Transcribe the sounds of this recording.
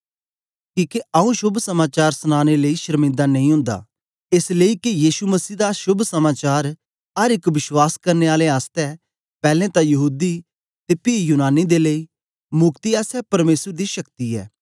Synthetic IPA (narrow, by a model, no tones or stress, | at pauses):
kiːkeɐũʃʊbʱsɐmaːt͡ʃaːɾsənaːñeləiʃəɾmɪ̃nd̪anɐ̃ĩɦʊ̃ːnd̪a̰ː | ɪsleikijiːsuməsiːd̪aʃʊbʱsɐmaːt͡ʃaːɾ | ɐɾɪkʋɪʃwaːskɐɾneaːleaːst̪ɛ | pɛːlɛ̃t̪ãjɐɦuːd̪i | t̪epiːjuːnaːnid̪eləi | mʊkt̪iɛːsɛpɐɾmeːsəɾd̪iʃɐkt̪iɛ̰ː